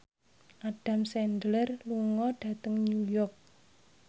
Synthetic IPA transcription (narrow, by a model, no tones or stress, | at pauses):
ʔaɖ̥a̤msɛndlərluŋɔɖ̥ä̤t̪əŋnujɔrk̚